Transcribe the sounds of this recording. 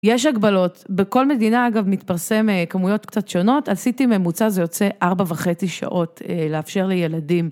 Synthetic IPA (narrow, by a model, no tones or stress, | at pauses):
jeʃ̬aɡbalo̞tbeko̞lme̞dinaaɡavmit̪paʁse̞mekamujo̞tkt͡satʃo̞no̞talsitimemut͡sazejo̞t͡se̞ʔaʁbavaχe̞t͡siʃa̰ʔo̞teleafʃe̞ʁlejeladim